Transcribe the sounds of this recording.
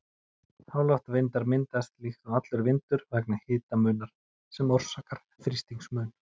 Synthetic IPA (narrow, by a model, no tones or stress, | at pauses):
haːwlaht̪avɪnt̪aɾmɪnt̪ast̪lixt̪ɔɣat̪lʏɾvɪnt̪ʏɾvɛknahɪːt̪amœːnaɾ̥ | sɛmɔwr̥saːkaɾ̥ | fɾist̪iŋsmœːn